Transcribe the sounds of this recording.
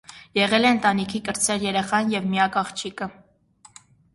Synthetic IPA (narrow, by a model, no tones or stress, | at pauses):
jɛʁɛlɛənt̪ɑnikʰikəɾt͡sʰɛʁjɛɾɛχɑnjɛvmiɑkɑχt͡ʃʰikə